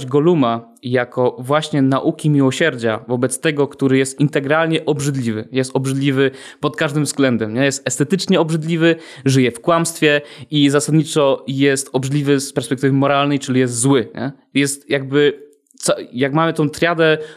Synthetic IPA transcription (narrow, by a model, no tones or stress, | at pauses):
d͡ʑɡɔluma | jakɔvwaɕɲɛnaʔukʲimʲiwɔɕɛɾd͡ʑavɔbɛt̪st̪ɛɡɔkt̪uɾɘjɛst̪int̪ɛɡɾalɲɛʔɔbʐɘd̪lʲivɘjɛst̪ɔbʐɘd̪lʲivɘ | pɔt̪kaʐd̪ɘmvzɡlɛnd̪ɛmɲɛjɛst̪ɛst̪ɛt̪ɘt͡ʂɲɛɔbʐɘd̪lʲivɘ | ʐɘjɛfkwamst̪fʲjɛizasad̪ɲit͡ʂɔjɛst̪ɔbʐɘd̪lʲivɘspɛɾspɛk̚t̪ɘvɘmɔɾalnɛjt͡ʂɘlʲijɛst̪zwɘɲɛ̰ | jɛst̪jaɡ̚bɘ | t̪sɔjakmamɘt̪ɔ̃w̃t̪ɾʲjad̪ɛ